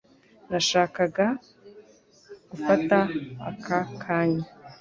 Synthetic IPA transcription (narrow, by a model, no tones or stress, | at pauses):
naʃaːkaɡa | ɡ̥ufataa̰kʰakʰaːɲa